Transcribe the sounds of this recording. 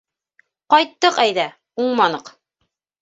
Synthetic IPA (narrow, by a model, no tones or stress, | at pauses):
qɑjt̪ːɤqæjðæ | uɴmɑnɤq